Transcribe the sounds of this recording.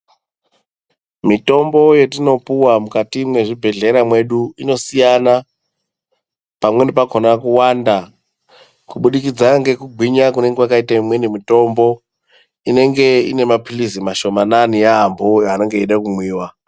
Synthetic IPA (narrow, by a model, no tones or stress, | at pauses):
mito̞mbo̞je̞tino̞puwamukatimwe̞ʐibʱe̞ɮe̞ɾamwe̞ɗuino̞sijana | pamwe̞nipakʰonakuwanda | kuɓuɗikid͡zaŋɡe̞kuɡʱiɲakune̞ŋɡewakaitaimwe̞nimito̞mbo̞ | ine̞ŋɡe̞ḭne̞mapilizimaʃo̞mananijaɦamboane̞ŋɡe̞iɗakumwiːwa